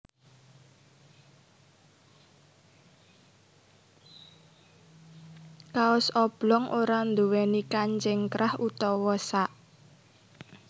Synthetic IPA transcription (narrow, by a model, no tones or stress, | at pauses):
kaʊsɔb̥lɔŋʔoɾand̪uwɛnikaɲt͡ʃɪŋkɾahut̪ɔwɔsaʔ